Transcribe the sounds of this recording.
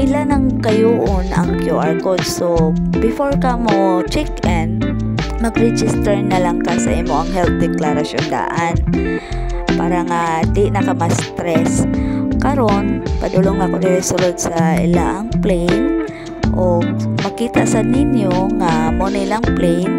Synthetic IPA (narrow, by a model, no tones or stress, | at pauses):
ʔɪlanɐŋkɐjuʔonɐ̰ŋkjuʔaɹkod̪̚sobɪfoɹkamot͡ʃɛkɛn | mɐɡɾɛd͡ʒɪst̪ɛɹnɐlaŋkasɐ̰ʔimoʔɐŋɦɛlt̪̚d̪ɛklaɾɐsjo̰nd̪a̰ʔan | pa̰ːɾɐŋand̪inɐkamɐst̪ɾɛskɐɾonpɐd̪ʊloŋakodɪɾɪsʊlod̪̚sɐʔɪ̰laʔɐŋplɛjn | ʔoɡmɐɡkiːt̪aʔsad̪̚nɪnjoŋamonɪlaŋplɛjn